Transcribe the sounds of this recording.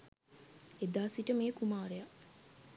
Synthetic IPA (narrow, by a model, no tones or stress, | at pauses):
ed̪aːsiʈəmeːkumaːɾeja